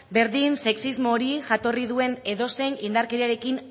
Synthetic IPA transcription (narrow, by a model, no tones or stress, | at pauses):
be̞ɾðinse̞ksizmo̞ːɾiʝat̪o̞riðue̞ne̞ðo̞se̞jnind̪aɾke̞ɾiaɾe̞kin